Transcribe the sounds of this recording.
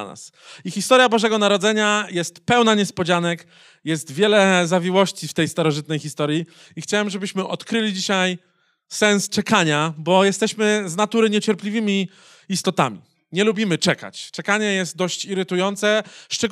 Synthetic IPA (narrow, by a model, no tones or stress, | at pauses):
na̰s | ixʲist̪ɔɾjabɔʐɛɡɔnaɾɔd̪zɛɲajɛst̪pɛwnaɲɛspɔd͡ʑanɛk | jɛst̪vʲjɛlɛzavʲiwɔɕt͡ɕift̪ɛjst̪aɾɔʐɘt̪̚nɛjxʲist̪ɔɾji | ixt͡ɕawɛmʐɛbɘɕmɘʔɔt̪kɾɘlʲid͡ʑiɕaj | sɛñst͡ʂɛkaɲabɔjɛst̪ɛɕmɘznat̪uɾɘɲɛt͡ɕɛɾplʲivɘmʲiː | st̪ɔt̪a̰mʲḭ | ɲɛlubʲimɘt͡ʂɛka̰t͡ɕt͡ʂɛkaɲɛjɛst̪̚d̪ɔɕt͡ɕiɾɘt̪ujɔnt̪sɛʂt͡ʂɛɡ